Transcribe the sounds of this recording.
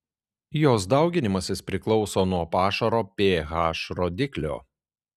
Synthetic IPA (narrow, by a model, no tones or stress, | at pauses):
joːsd̪ɑˑʊɡʲɪnʲɪmɐsʲɪspʲɾʲɪklˠɔʊsoːnuɔpɑːʃɐɾoːpʲeːɣɑːʃɾoːd̪ʲɪklʲo̰ː